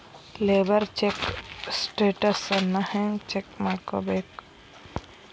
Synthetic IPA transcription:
leːbəɾt͡ʃeksʈeːʈəsnɐhẽŋt͡ʃekmako̰bek

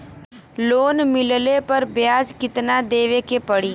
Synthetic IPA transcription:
loːnmɪllepɐɾbjaːd͡ʒkɪt̪nad̪eːʋekepəɽiː

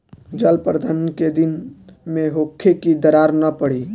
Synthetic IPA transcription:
d͡ʒəlpəɾd̪ʱənked̪ɪnmẽɦoːkʰːekid̪əɾaːɾnəpəɽiː

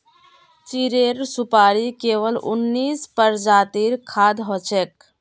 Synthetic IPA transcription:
t͡ʃiɾeːɾsʊpaːɾikeːʋəlʊ̰nːiːspəɾd͡ʒaːt̪iːɾkʰaːd̪ɦot͡ʃek̚

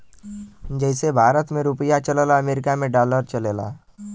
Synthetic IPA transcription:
d͡ʒɛːɪsebʱaːɾət̪mẽɾʊpəjat͡ʃəleːlaɐmeːɾɪkamẽɖaːləɾt͡ʃəleːla̰ː

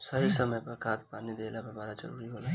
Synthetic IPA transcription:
səɦisəməjpəkʰat̪panid̪elapəɾbaɾad͡ʒə̰ɾuɾiɦola

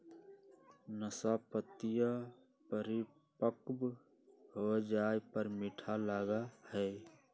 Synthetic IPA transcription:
nəsapət̪ijə | pəɾi | pəkb | hod͡ʒaːepəɾmɪʈʰalaːɡahɛː

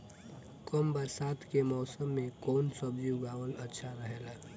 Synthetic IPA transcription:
kɔmbəɾsaːt̪ʰkemɔːsəmːẽkɔːnsəbd͡ʒuɡaːʋəlɐtːʃʰaɾəɦeːlaː

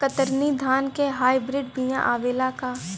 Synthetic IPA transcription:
kət̪əɾnid̪ʱaːnkeɦaːibɾɪɖbɪjã̰ʔaːʋeːlakaː

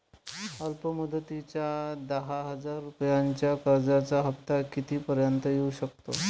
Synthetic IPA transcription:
əlpəməd̪ʱət̪it͡ɕjad̪əɦaɦəd͡zaɾːupəjaɲt͡ɕjakəɾd͡zat͡saɦəpt̪akit̪iːpəɾjant̪əjeuɕəkt̪o̰

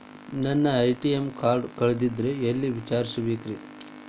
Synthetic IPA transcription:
nɐnːɐːjʈijemkaːɾɖkɐɭd̪id̪ɾeelːiʋit͡ʃaːɾisuʋikɾi

